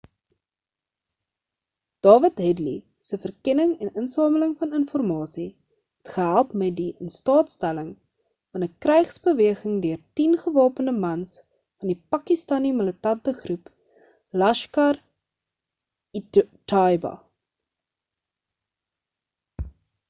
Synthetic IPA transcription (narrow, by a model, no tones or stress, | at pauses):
d̥ɑːvətɦɛdli | səfərkɛnəŋɛnənsɑːmələŋfɐnənfɔrmɑːsi | ɦɛtχəɦælˠpmɛt̚diənstɑːtstæləŋ | fɐnəkrɛjχsbəviəχəŋdøərtinχəvɑːpənəmɐns | fɐndipɐkistɐnimələtɐntəχrup | lɐʃkɐr | tɑjbɐ̰